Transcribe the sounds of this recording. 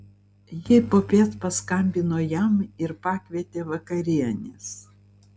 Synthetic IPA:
jɪpoːpʲeːt̪pɐskɐmʲbʲɪnoːjɛmɪɾpɑːkʲʋʲiɛt̪ʲeːʋɐkɐɾʲiɛnʲɪs

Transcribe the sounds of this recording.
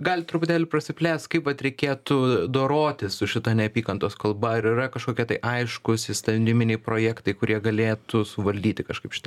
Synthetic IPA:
ɡɐːlʲɪt̪ɾʊpʊt̪ʲæːlʲʊpɾɐsʲɪpʲlʲæːst̪kɐɪpʋɐt̪ɾʲɛɪkʲeːt̪ʊd̪oːɾoːt̪ʲɪssʊʃʲɪt̪ɐnʲɛɐpʲiːkɐnt̪oːskɐlˠbɐɪɾɪrɐkɐʃkoːkʲɛt̪ɐɪʔɐɪʃkʊsʲɪst̪ɐd̪ʲɪmʲɪnʲɛɪpɾoːjækt̪ɐɪkʊɾʲʔiɛɡɐlʲeːt̪ʊsʊʋɐlʲd̪ʲiːt̪ʲɪkɐʃkɐɪpʃʲɪ̥t̪ɐ

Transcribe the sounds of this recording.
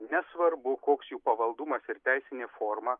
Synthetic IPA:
nʲɛsʋɐɾbʊkoːksjuːpɐʋɐlˠd̪ʊmɐsɪɾt̪ʲæɪsʲɪnʲeːfoːɾmɐ

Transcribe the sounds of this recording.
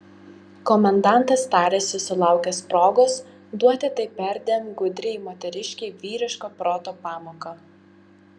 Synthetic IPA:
kɔmʲɛnd̪ɑˑnt̪ɐst̪ɑːɾʲesʲʊsʲɪlˠɑˑʊkʲɛspɾoːɡoːs | d̪uɔt̪ʲɪt̪ɐɪpʲɛɾʲd̪ʲemɡʊd̪ʲɾʲeɪmoːt̪ʲɛɾʲɪʃʲkʲeɪʋʲiːɾʲɪʃkoːpɾoːt̪oːpɑːmoːkɐ

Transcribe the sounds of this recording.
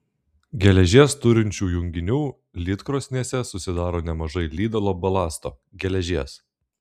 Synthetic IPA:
ɡʲɛlʲɛʒʲiɛst̪ʊɾʲɪnʲt͡ʃʲuːjʊŋʲɡʲɪnʲuː | lʲɪt̪kɾoːsʲnʲiɛsʲɛsʊsʲɪd̪ɑːɾoːnʲɛmɐʒɐɪlʲiːd̪ʲɐlˠoːbɐlˠɑːst̪o̰ː | ɡʲɛlʲɛʒʲiɛs

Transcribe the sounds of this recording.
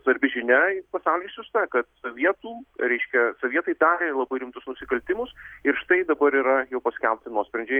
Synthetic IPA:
sʋɐɾʲbʲɪʒʲɪnʲɛɪpɐsɑʊlʲiːʃsjʊst̪ɐkɐt̪sɐʋʲiɛt̪uːɾʲɛɪʃʲkʲɛsɐʋʲiɛt̪ɐɪd̪ɑːɾʲeːlˠɐbɐɪɾʲɪmt̪ʊsnʊsʲɪkɐlʲt̪ʲɪmʊsɪɾʃt̪ɐɪd̪ɐbɐɾiːɾɐjɛʊpɐsʲkʲɛlʲp̚ʲt̪ʲɪnuɔsʲpʲɾʲɛnʲd͡ʒʲɛ

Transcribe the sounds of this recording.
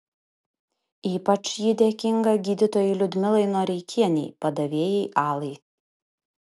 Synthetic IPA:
iːpɐt͡ʃjiːd̪ʲeːkʲɪŋɡɐɡʲiːd̪ʲɪt̪oːjɛɪlʲʊd̪ʲmʲɪlˠɐɪnoːɾʲɛɪkʲʰiɛnʲɛɪpɐd̪ɐʋʲeːjɛɪʔɑːlˠɐɪ

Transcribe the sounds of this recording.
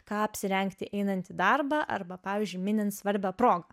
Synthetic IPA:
kɑːɐpʲsʲɪɾʲɛŋkt̪ʲɪʔɛɪnɐnʲt̪ʲɪd̪ɐrbɑːʔɐ̰ɾbɐpɑːʋʲiːzʲd͡ʒʲʊɪmʲɪnʲɛnt̪sʋɐɾʲbʲɛːpɾoːɡɐ

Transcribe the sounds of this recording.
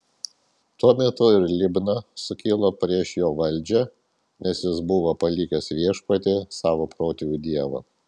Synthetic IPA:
t̪uɔmʲɛt̪ʊɪɾlʲɪbnɐsʊkʲiːlˠoːpʲɾʲiɛʃjoːʋɐlʲˑd͡ʒʲɛ | nʲɛsjɪsbʊʋopɐlʲiːkʲɛsʋʲiɛʃpɐt̪ʲɪsɑːʋoːpɾoːt̪ʲijuːd̪ʲiɛʋɐ̰ː

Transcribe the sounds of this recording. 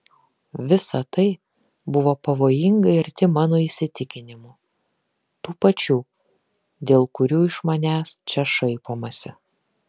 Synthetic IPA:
ʋʲɪsɐt̪ɐɪ | bʊʋoːpɐʋoːjɪŋɡɐɪɾt̪ʲɪmɑːnoːiːsʲɪt̪ʲɪkʲɪnʲɪmuː | t̪uːpɐt͡ʃʲuː | d̪ʲeːlˠkʊɾʲuːɪʃmɐnʲæːst͡ʃʲɛʃɐɪpoːmɐsʲɪ

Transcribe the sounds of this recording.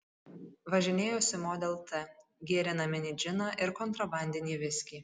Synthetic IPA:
ʋɐʒʲɪnʲeːjoːsʲɪmoːd̪ʲɛlˠt̪ɛɡʲiɛɾʲɪnɐːmʲɛnʲɪd͡ʒʲɪnɑʔɪɾkɔnt̪ɾɐbɑˑnʲd̪ʲɪnʲiːʋʲɪsʲkʲiː

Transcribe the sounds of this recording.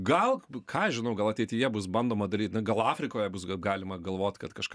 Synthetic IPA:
ɡɐlˠkʰɑːɐʒʲɪnɐʊɡɐlˠɐtʲɛɪt̪ʲɪjɛbʊsbɐnd̪oːmɐd̪ɐɾʲiːt̪ʲnɐɡɐlˠɑːfʲɾʲɪkoːjɛbʊsɡɑːlʲɪmɐɡɐlˠʋoːt̪ʲkɐt̪kɐʃkɐ

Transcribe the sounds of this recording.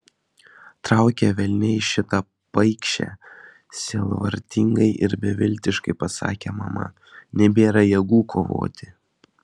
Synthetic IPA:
t̪ɾɑˑʊkʲeʋʲɛlʲnʲɛɪʃʲɪt̪ɐ | pɐɪkʃʲɛ̰ | sʲelˠʋɐɾʲt̪ʲɪŋɡɐɪʔɪɾbʲɛʋʲɪlʲˑt̪ʲɪʃkɐɪpɐsɑ̰ːkʲemɐ̰mɐ̰ | nʲɛbʲeːɾɐjɛɡuːkʰoːʋo̰ːt̪ʲɪ

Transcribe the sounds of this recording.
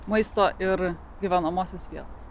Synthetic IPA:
mɐɪst̪oːʔɪɾ | ɡʲiʋʲænomoːsʲɛsʋʲiɛt̪os

